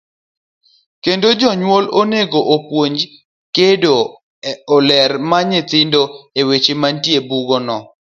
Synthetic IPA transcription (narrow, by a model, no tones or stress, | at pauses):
kendod͡ʒɔɲwoloneɡoʔopwoɲd͡ʒ | kedo | ɔlɛrmaɲet̪ɪndoewet͡ʃemantjebuɡɔnɔ